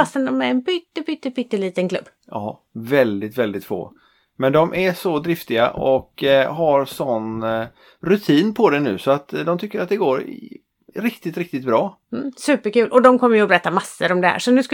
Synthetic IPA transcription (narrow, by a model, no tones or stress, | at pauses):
asənd̪ɔmɛɾɛnbʏt̪ːəbʏt̪ːəbʏt̪ːəɭiːt̪ənkʰlɵ̰bː | ʔɑː | vɛld̪ɪt̪vɛld̪ɪt̪fo̰ː | mɛnd̪ɔmʔæʂɔd̪ɾɪft̪ɪɡa̰ʔɔkɦaɾsɔn | ɾɵt̪ʰiːnpʰɔd̪ɛnʉ̟ːsɔat̪d̪ɔmt̪ʰʏkːəɾat̪̚d̪ɛɡoːɾɪ̰ | ɾɪkt̪ɪt̪ɾɪk̚t̪ɪt̪̚bɾɑː | m̩ːsʉ̟ːpəɾkʉ̟ːlʔɔd̪ɔmkʰɔmːəjʉɔbɛɾɛt̪ːamasːəɾɔmd̪ɛhæ̰ːʂɔnʉ̟ːsk